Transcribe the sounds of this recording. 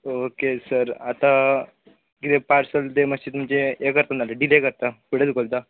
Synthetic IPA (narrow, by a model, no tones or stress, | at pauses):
okesəɾat̪a | ɡit̪epaɾsəld̪eməst͡ɕit̪umət͡ɕeekəɾt̪analeɖilekəɾt̪akiɽ̤et͡sɡolt̪a